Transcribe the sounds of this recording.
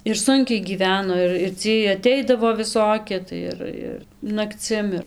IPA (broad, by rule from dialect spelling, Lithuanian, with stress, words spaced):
ɪr ˈsʊŋʲkʲɛɪ ɡʲiːˈʋʲæːnoː ɪr ɪr ˈt͡sʲiɛj ɐˈtʲɛɪdɐʋoː ʋʲɪˈsoːkʲɪ tɐɪ ˈɪr ɪr nɐkˈt͡sʲɪm ɪr